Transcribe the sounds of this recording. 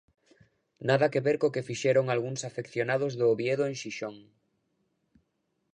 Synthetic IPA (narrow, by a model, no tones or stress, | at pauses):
naðakeβeɾkokefiʃeɾoŋalɣuŋsafekθjonað̞ozðoːβjeðoeŋʃiʃoŋ